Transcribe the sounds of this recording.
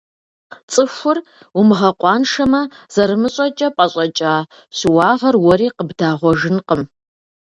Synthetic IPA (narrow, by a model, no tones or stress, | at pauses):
t͡sʼɨxʷʊr | umɨʁɐqʷʼɑːnʂɐmɐz̥ɐɾɨmɨɕʼɐt͡ʃʼɐpʼɐɕʼɐt͡ʃʼaː | ɕɪwɑːʁɐrwɔɾiːqəbdaːʁʷɔʒɨnqʼəm